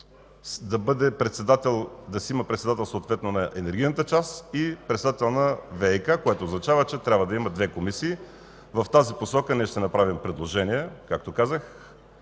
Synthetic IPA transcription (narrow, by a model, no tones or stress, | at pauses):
d̪ɐbɤd̪ɛpɾɛt̪sɛd̪at̪ɛlˠd̪ɐsiiməpɾɛt̪sɛd̪at̪ɛlˠsoːt̪vɛt̪nonɐʔɛnɛɾɡ̟ijnət̪ət͡ʃast̪ipɾɛt̪sɛd̪at̪ɛlˠnɐvɛɛjkakoɛt̪oːznɐt͡ʃavət͡ʃɛt̪ɾʲabvəd̪ɐiməd̪vɛkomisiː | vɐft̪aziposɔkənɛʃt̪ɛnɐpɾavimpɾɛd̪lˠoʒɛniɛkak̚t̪okazəx